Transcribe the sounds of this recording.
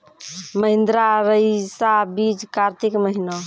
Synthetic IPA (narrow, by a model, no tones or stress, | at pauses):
məɦind̪ɾaɾəjsabid͡ʒkaɾt̪ikməɦino